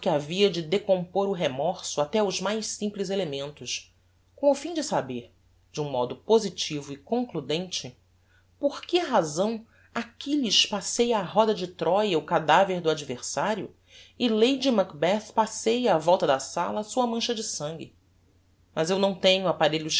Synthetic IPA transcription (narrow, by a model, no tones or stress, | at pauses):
pkɪaviɐd͡ʒɪd̪ekõmpoɾʊɦemɔɾsʊat̪ɛʊzmajʃsĩmplɪzelemẽnt̪ʊʃ | kõw̃ʊfĩd͡ʒɪsabeɾ | d͡ʒɪũmɔd̪ʊpozit͡ʃivʊɪkõŋklud̪ẽnt͡ʃɪ | poɾkɪɦazɐ̃w̃ | akʲiʎiʃpasejaɦɔd̪ɐd͡ʒɪt̪ɾɔjɐʊkad̪aveɾd̪ʊad͡ʒiveɾsaɾjʊ̰ | ɪlejd͡ʒimakbɛθpasejavɔwt̪ɐd̪ɐsa̰lɐːsuɐmɐ̃ʃɐd͡ʒɪsɐ̃ŋɡɪ̰ | mʔɐzewnɐ̃w̃t̪ẽɲʊapaɾeʎʊʃ